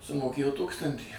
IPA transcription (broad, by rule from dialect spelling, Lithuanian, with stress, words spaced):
sʊmoːˈkʲeːjoː ˈtuːkstɐnʲtʲiː